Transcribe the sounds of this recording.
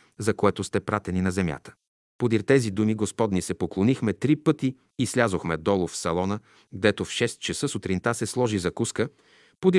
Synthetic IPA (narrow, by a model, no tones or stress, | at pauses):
zɐkoɛt̪ʊst̪ɛpɾat̪ɛninɐzɛmʲja̰t̪ə̥ | pod̪iɾt̪ɛzid̪umiɡospɔd̪nisɛpoklˠonixmɛt̪ɾipɤt̪iː | slʲazoxmɛd̪ɔlˠʊfsɐlˠɔnə | ɡd̪ɛt̪ofʃɛst̪̚t͡ʃɐsɤsʊt̪ɾint̪asɛslˠɔʒizɐkuskə | pod̪i